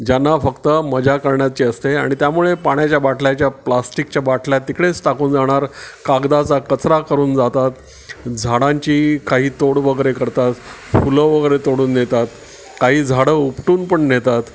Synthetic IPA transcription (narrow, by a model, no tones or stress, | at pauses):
d͡ʑanːafəkt̪əməd͡ʑakəɾɳjat͡ɕeəst̪eaɽ̃it̪jamuɭepaɳjat͡ɕjabaʈʰljat͡ɕjaplasʈikt͡ɕjabaʈʰljat̪ikɽesʈ̪ʰakuːnd͡zaɽ̃aɾkaɡd̪at͡sakət͡sɾakəɾuːnd͡zat̪at̪ | d͡zʱaɽãɲt͡ɕiːkaɦiːt̪oɽʋəɡəɾekəɾt̪at̪ | fuləʋəɡəɾet̪oɽuːnːet̪at̪ | kaɦiːd͡zʱaɽəupʈuːnpəɳnet̪at̪